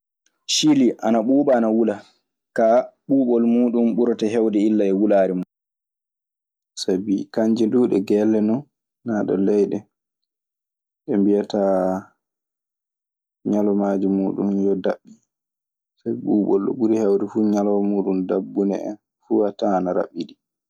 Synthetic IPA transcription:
ʃiliʔanaɓuːɓaːnawula | kaɓuːɓɔlmuːɗumɓuɾɔtaɦɛwdɛilːaɛwulaːɾimɔ | sabikaɲd͡ʒinduːɗɛɡɛlːɛnɔnː | aːɗɔ̰lɛjɗɛ | ɗɛmbijata | ɲalɔmaːd͡ʒimuːɗunjɔdaɓːi | sabiɓuːɓɔ̰lɗɔ̰ɓuɾihɛwdɛfuːɲalɔmuːɗundabːunɛ̰ɛ̰n | fuhataːnaɾa̰ɓːiɗi

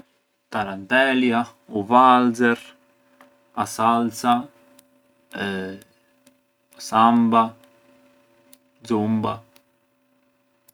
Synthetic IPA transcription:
t̪aɾant̪ɛljauvalzɛɾ | asalsa | ɛ | samba | d̪zumba

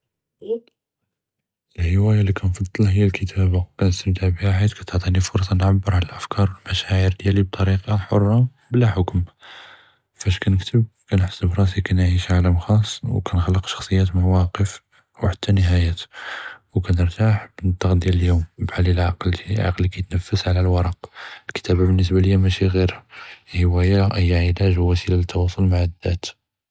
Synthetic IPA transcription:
ʔəlhəwæjalikʰænfɑd̪ˤːəlhəjːælkʰət̪ʰæbakænəst̪əmt̪aʕbhaħəd̪kæt̪oʕt̪ˤinifʊɾˤsˤɑnʕabːəɾʕaləlʔæfkʰɑɾˤwəlmæʃæʕəɾd̪jælib̚t̪ˤɑɾiqɑħʊrˤːɑ | blæħʊkm | fæʃkænəkt̪əb̚kænħaə̥sːəbɾˤɑs̬ikænʕiʃʕaləmxɑsˤːwkænxəlːəqʃɑ̥xsˤəjːæt̪maʕwɑqəf | wħat̪ʰːænəɦæjæt̪wkænəɾt̪aħbənt̪ˤːɑqd̪jæləljumbħalilʕɑqld̪iʕɑ̰qlikæjt̪nəfːəsʕlælwɑɾˤɑqəlkə̥t̪æbæbənːəs̬bæləjːæmæʃiɣiɾhiwæjæʔəjːʕəlæʒwːæsilalət̪ʰːɑwɑsˤʊlmaʕəd̪ːæt̪

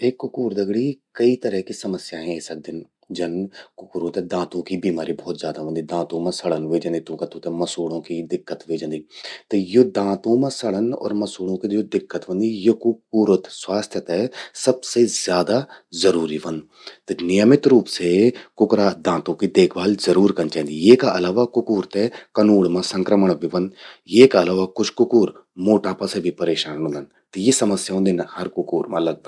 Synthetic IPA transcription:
eːkːʊkuːɾd̪ɐɡɽikɐit̪əɾəɦkisɐməsjaɦɛ̃eːsɐd̪ɪn | d͡ʒɐnkʊkːɾõt̪ed̪ãːt̪õkibiːmaːɾibɔːt̪zjaːd̪aʋə̃nd̪id̪ãːt̪õmãsəɽənʋeːd͡ʒə̃nd̪it̪ũːkət̪õt̪ɛ̃mɐsuːɽõkid̪ɪkːət̪ʋeːd͡ʒə̃nd̪it̪ejod̪ãːt̪õmãsəɭənɔ̰ːɾməsuːɽõkid͡ʒod̪ɪkːət̪ʋə̃nd̪ijekʊk̚uːɾət̪swaːst̪ʰjət̪ɦɛsɐbsezjaːd̪azɐɾuːɾiʋɐ̃nd̪ | t̪nɪjəmɪt̪ɾuːpsekʊkɾad̪ãːt̪õkid̪eːkʰbaːlzɐɾuːɾkɐnt͡ʃaːnd̪ijeːkaʔɐlaːʋakʊkuːɾt̪ekɐnuːɽmãsə̃ŋkɾəməɳ̃biʋə̃nd̪jeːkaɐlaːʋakʊt͡ʃʰkʊkuːɾmoːʈaːpasebʱipɐɾeːʃaːnõnd̪ən | t̪jesɐməsjaɦõnd̪ɪnhɐɾkʊkuːɾmãlɐɡ̚bəɡ

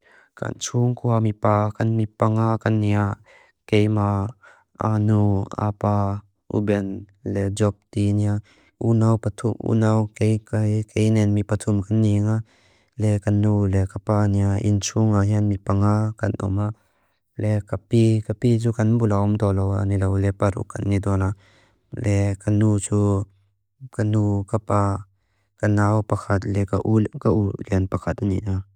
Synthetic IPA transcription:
ka̰nt͡sʰuŋkʰuamipaːkɐnmipaŋakɐnːia | kejma | ʔa̰nua̰pa | ʔṵbɛn | lɛd͡zɔp̚t̪inia | ʔunawpat̪ʰumʔṵnawkejkakejnɛnmipatʰumkanːiŋa | lɛkɐnːulɛkapaːniaʔḭnt͡sʰuŋaɦinmipaŋakɐnʔɔ̰ma | lɛkapikapit͡sukɐnbulaʔɔmt̪ɔlowa̰nilowlɛpaɾṵʔkanːidɔna | lɛkanut͡su | kanukapa | kɐnawpakʰɐt̚lɛkaʔukaʔulinpakʰat̚ʔanḭʔna

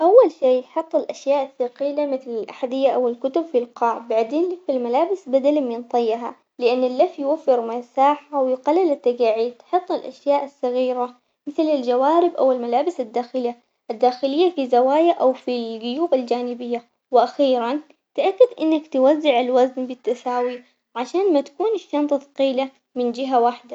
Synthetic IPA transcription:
ʔawːalʃiːħɨt̪ˤːɪlʔaʃjaːʔaθːaqiːlamɪθlɪlʔaħad̪ɪjːaʔawɪlkʊt̪ʊbfilqɑːʔbaʕd̪eːnlɪfalmalaːbɪsbad̪almɪnt̪ˤɑjːɦa̰ | lɪʔanːɪlːafːjwafːɪɾmasaːħawjɪqalːɪlɪt̪ːaɡaːʕiːt̪ħɨt̪ˤːɪlʔa̰ʃjaːʔasːɑɣiːɾa | mɪθlɪld͡ʒawaːɾɪbʔa̰wɪlmalaːbɪsɪd̪ːaːxɪlɪːa | ʔɪd̪ːaːxɪlɪjːafizawaːjaʔawfilɡʊjuːbɪld͡ʒaːnɪbɪjːa | wʔaxiːɾan | t̪ʔakːad̪ʔɪnːakt̪wazːɪʕɪlwaznbɪt̪ːasaːwi | ʕaʃaːnmat̪ḁkuːnɪʃːɑnt̪ˤɑθqiːla | mɪnd͡ʒɪɦawaħd̪a

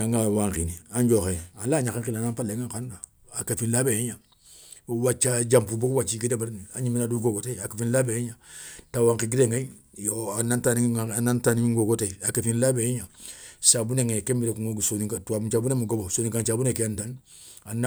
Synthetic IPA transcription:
aŋɡawaŋkḭniaɲd͡ʒoxealaːɲakeŋilanapaleŋaŋkanda | akafinlabejiɲa | wat͡ʃːad͡ʒampubokwat͡ʃiɡidebaɾiniaɲiminaduɡoɡoteiakafinlabejeɲatawaŋkiɡideŋɡai | joanantannantanimiŋɡoɡoteiakafinlabejiɲasabuneŋekembiɾekuŋoɡsonikatuabut͡ʃabunemuɡobosoniŋkant͡ʃabunekejantan | ana

